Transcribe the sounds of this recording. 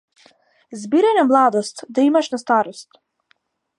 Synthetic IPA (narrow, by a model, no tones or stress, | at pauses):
zbiɾajnamlˠad̪ɔst̪d̪aimaʃnast̪aɾɔst̪